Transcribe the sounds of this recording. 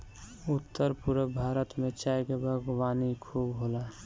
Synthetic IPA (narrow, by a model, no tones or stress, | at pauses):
ʊt̪ːəɾpuɾəbʱaːɾət̪mẽt͡ʃaːjkebʱəɡwaːnikʰuːbɦoːla